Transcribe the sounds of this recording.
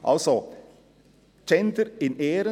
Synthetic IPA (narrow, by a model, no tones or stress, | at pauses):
ʔɑ̰lsɔ | t͡ʃɛnd̪əɾɪneːɾə